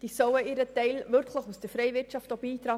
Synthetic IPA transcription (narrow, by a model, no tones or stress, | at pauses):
d̥̪isœwəiːɾət̪ɛɪlʋʏɾkʰləχusd̥̪əɾfɾɛɪvɪɾtt͡ʃɑftobiːt̪ɾɑː